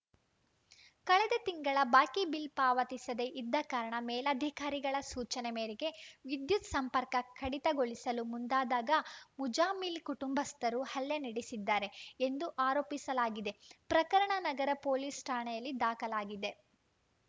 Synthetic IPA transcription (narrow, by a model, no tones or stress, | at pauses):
kɐɭɛd̪et̪iŋɡɐɭɐbaːkibilpaːʋɐt̪isɐd̪e̞ʔid̪ːɐkaːɾɐɳɐmɛːlɐd̪ʱikaːɾiɡɐɭɐsuːt͡ʃɐnɛmeːɾiɡe̞ʋid̪jut̪sɐmpɐɾkɐkʰɐɽit̪ɐɡoɭisɐlumund̪aːd̪aːɡɐmud͡ʒaːmilkuʈumbɐst̪ɐɾuhɐlːjɐniɽisid̪ːaːɾe̞end̪uʔaːɾo̞ːpisɐlaːɡid̪e̞pɾɐkɐɾɐɳɐnɐɡɐɾɐpoːliːsʈaːɳɐjɐlːid̪aːkɐlaːɡid̪e̞